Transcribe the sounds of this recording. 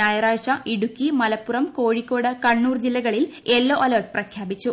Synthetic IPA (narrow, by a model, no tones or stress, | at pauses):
aːjɐɾaːʂɐʔiɽukːimɐlɐpːurɐmko̞ːɻikːo̞ːɽɐkɐɳːuːrd͡ʑilːɐɣɐɭilelːoʔɐlɐrʈ̚prɐkʰjaːbit͡ɕːu